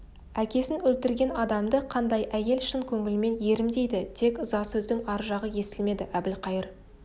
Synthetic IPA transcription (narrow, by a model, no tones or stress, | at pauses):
ækʲe̞sɪnwɵlt̪ɪɾɡʲe̞nɑd̪ɑmd̪əqʰɑnd̪ɑjʔæje̞lʃɪŋkʲʰɵŋɪlɪme̞nje̞ɾɪmd̪e̞jd̪ɪt̪ʰe̞kzɑsɵzd̪ɪŋɑɾʒɑʁəje̞sɪlme̞d̪ɪʔæbɪlqʰɑjəɾ